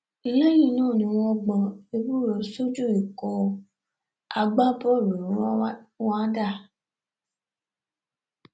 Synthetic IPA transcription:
i˧jẽ˦jĩ˦˨nũː˦˨nĩ˧w̃ɔ̃˦ɡ͡bɔ̃˧e˧bu˦˨ɾɔ˨˦so˦d͡ʒu˦˨i˨kɔ˨ | a˧ɡ͡ba˦bɔ˦˨ɾõ˨˦wa˦da˦˨

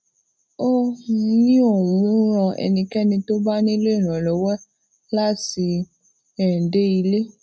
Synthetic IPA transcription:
o˦˧˦nĩ˦o˦˨wũ˨˦ɾ̃ɔ̃˧ɛ̰˧nĩ˧kɛ˦nĩ˧to˦ba˦nĩ˦le˦˨ɾ̃ã˨lɔ˨˦wɛ˦ | la˦ti˧ | ɛ̃˨de˦i˧le˦

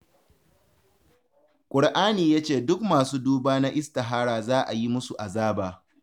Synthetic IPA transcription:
kʷʼʊ˨ɽʔaː˦niː˨jaː˦t͡ʃeː˦˨dʊ˦kmaː˨suː˦duː˦baː˦na˦ʔɪ˦sta˨ɦaː˦ɽaː˨zaː˦ʔa˨ji˦mʊ˦su˨ʔa˨zaː˦baː˨

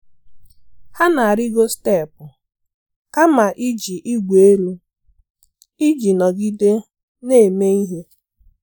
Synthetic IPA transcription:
ha˦na˨a˨ɾi˦ɡo˦ste˦˨pʊ˨ | ka˦ma˨ʔi˦d͡ʒi˨ʔi˦ɡʷe˨e˦ɾu˦ | i˦d͡ʒi˨nɔ˨ɡi˦de˦ | ne˦˨me˦i˦ɦe˦

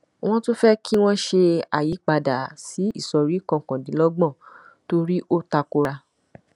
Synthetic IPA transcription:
w̃ɔ̃˦to˦fɛ˦kʰi˦w̃ɔ̃˦ʃe˧a˨ji˨˦k͡pa˧da˨si˨˦i˦˨sɔ˨ɾi˨˦kɔ̃˧˨kɔ̃˨dĩ˨˦lɔ˦ɡ͡bɔ̃˦˨ | to˧ɾi˦ʔo˦ta˧ko˧ɾa˧

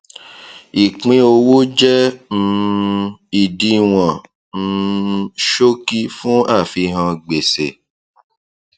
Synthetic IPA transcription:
i˨k͡pĩ˧o˧wo˦d͡ʒɛ˦˧ | i˨di˧w̃ɔ̃˨ | n̩˦˧ʃo˦ki˦fũ˦a˦˨fi˧ɦã˧ɡ͡be˨sḛ˨

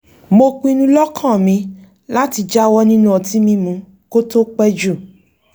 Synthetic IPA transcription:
mo˧k͡pĩ˧nũ˧lɔ˦kʰã˦˨mĩ˧˦ | la˦ti˧d͡ʒa˦wɔ˦nĩ˦nũ˦ɔ˧˨ti˨˦mĩ˧mũ˧˦ | ko˦to˦k͡pɛ˦d͡ʒu˦˨

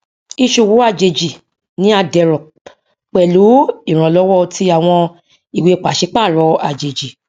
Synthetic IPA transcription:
i˧ʃo˧˨wo˨˦a˧˨d͡ʒe˧d͡ʒi˨ | nĩ˨˦a˧dɛ˨ɾɔ̃˨ | k͡pɛ˨lu˨˦i˦˨ɾ̃ã˨lɔ˨˦wɔ˦˧tʰi˧˦a˨w̃ɔ̃˧ | i˨we˧˨k͡pa˨ʃi˨˦k͡pa˦˨ɾɔ˨˧˦a˧d͡ʒe˨d͡ʒi˨

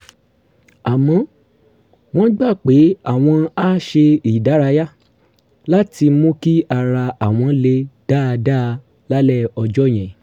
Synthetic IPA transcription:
a˨mɔ̃˨˦ | w̃ɔ̃˦ɡ͡ba˦˨k͡pe˨˦a˦˨w̃ɔ̃˧a˦ʃe˧i˨da˨˦ɾa˧ja˦ | la˦ti˧˦mũ˦ki˦a˧ɾa˧a˨w̃ɔ̃˧le˧˦d̥aː˦˨˧da˦˧ | la˦lɛ˦˨ɔ˧d͡ʒɔ˦˨j̃ɛ̃˨

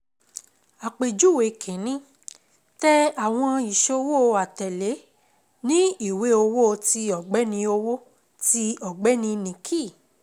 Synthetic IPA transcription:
a˨k͡pe˨d͡ʒu˦˨we˨kʰẽ˨˦nĩ˦ | tɛ˦a˨w̃ɔ̃˧i˨ʃo˧wo˦o˧a˨tɛ˨le˨˦ | nĩ˦i˦˨we˨˦o˧wo˦o˧ti˧ɔ˨ɡ͡bɛ˨˦nĩ˧o˧wo˦ | ti˧ɔ˨ɡ͡bɛ˨˦nĩ˧nĩ˨kʰi˦˨

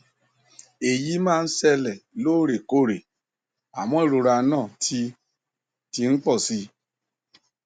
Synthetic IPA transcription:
e˨ji˨˦mãː˦˨˧n̩˦sɛ˧lɛ˨lo˦˨ɾe˨ko˦˨ɾe˨ | a˨mɔ̃˦e˦˨ɾo˧ɾa˧˦nãː˦˨tʰi˧ | ti˧ŋ̩˦k͡pɔ˦˨si˧˦

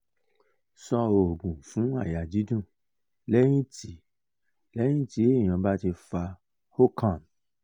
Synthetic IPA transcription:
sɔ˧o˨ɡũ˨fũ˨˦a˦˨ja˨d͡ʒi˨˦dũ˦˨ | lɛ˦j̃ĩ˦tʰi˨˦ | lɛ˦j̃ĩ˦ti˨˦˨j̃ã˧ba˦ti˧fa˧ | ho˦kʰã˦˨n

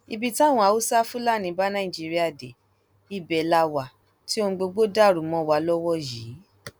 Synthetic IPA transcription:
i˧bi˧ta˦˨w̃ɔ̃˧˨a˧˨o˦sa˦fũ˦la˦˨nĩ˧˦ba˦nã˦˨ĩ˨d͡ʒi˦ɾi˦a˦˨de˨ | i˦˨bɛ˨la˧wa˨ | ti˦o˧˦ɡ͡bo˧ɡ͡bo˦da˦˨ɾu˨˦mɔ̃˧˦wa˧lɔ˦wɔ˦jiː˨˦

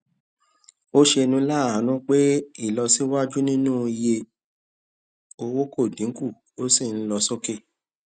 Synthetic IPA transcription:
o˦ʃe˧nũ˧˦la˦˨ã˨˦nũ˦k͡pe˦i˦˨lɔ˧si˦wa˦d͡ʒu˦nĩ˦nũ˦i˧je˧ | o˧wo˦ko˦˨dĩ˨˦ku˦˨ | o˦si˦˨n̩˦lɔ˧so˦ke˦

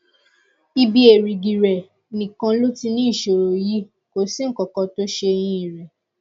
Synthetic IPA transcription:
i˧bi˦e˨ɾi˨ɡi˨ɾɛ˨ | nĩ˨kã˧˦lo˦ti˧nĩ˦i˦˨ʃo˨ɾo˨ji˦ | ko˨si˦ŋ̩˦˨kɔ˨kɔ˧to˦ʃe˧j̃ĩ˧i˨ɾɛ˨

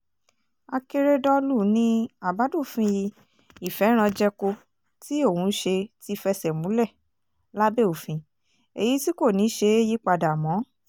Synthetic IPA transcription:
a˧ke˧ɾe˧dɔ˧lu˦˨nĩ˦a˨ba˨˦du˦˨fĩ˧ji˧ | i˨fɛ˨˦ɾ̃ã˧d͡ʒɛ˧ko˧ | ti˦o˦˨wũ˧˦ʃe˧ti˧˦fɛ˧sɛ˨mũ˨˦lɛ˦˨ | la˦be˦˨u˨fĩ˧ | e˨ji˨˦ti˦ko˦˨nĩ˨˦ʃe˧e˦ji˦k͡pa˧da˨mɔ̃˨˦

